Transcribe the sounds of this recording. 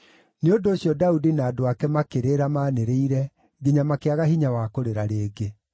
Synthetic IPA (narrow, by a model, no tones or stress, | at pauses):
neondoːɕjɔdaudinaːdoakɛmakeɾeɾamaːneɾeiɾɛ | ɡiɲamakeaɣaɦiɲawakoɾeɾaɾeːɡe